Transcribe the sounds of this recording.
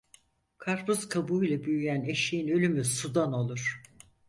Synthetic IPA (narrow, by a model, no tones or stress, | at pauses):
kʰaɾpʰuz̥kʰabujlʲˠabyjyjæneʃijinø̞lʲymysud̪ano̞lˠuɾ̥